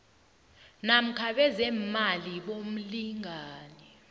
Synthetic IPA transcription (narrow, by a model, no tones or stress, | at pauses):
nam̩kʰaɓɛzɛmaliɓom̩liŋʱaːnɛ